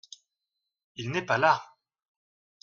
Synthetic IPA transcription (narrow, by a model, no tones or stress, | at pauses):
ilnɛpala